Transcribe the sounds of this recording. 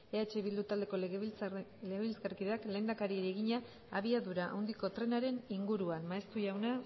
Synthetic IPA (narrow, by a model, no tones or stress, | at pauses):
eat͡ʃe̞βild̪ut̪ald̪e̞ko̞ | leɣeβilsɣarkiðeakle̞ːnd̪akaɾieɾeɣiɲaː | βiaðuɾaʔa̰wnd̪iko̞t̪ɾe̞naɾe̞niŋɡuɾuanmaest̪uʝawna